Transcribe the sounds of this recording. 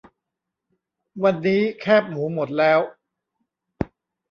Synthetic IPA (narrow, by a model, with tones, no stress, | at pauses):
wa˧nːiː˦˥kʰɛː˥˩p̚muː˩˦mo˨˩t̪̚lɛː˦˥w